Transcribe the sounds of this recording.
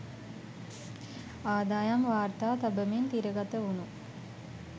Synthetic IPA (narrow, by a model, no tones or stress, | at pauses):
aːd̪aːjamʋaːɾt̪aːt̪abəment̪iɾəɡat̪əunu